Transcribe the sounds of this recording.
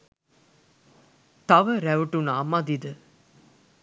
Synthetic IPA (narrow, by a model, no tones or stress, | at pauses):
t̪ɐʋəɾæʋuʈunaːmɐd̪id̪ə